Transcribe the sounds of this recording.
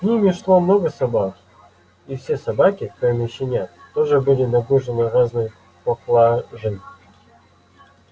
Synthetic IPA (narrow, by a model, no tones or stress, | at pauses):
sʲnʲimʲɪʂlˠomnoɡəsɐbak | ifsʲe̞sɐbakʲɪkomʲɪɕːɪnʲat̪oʐɨbɨlʲɪnɐɡuʐɨnɨraznɨj | pɐklˠaʐɨn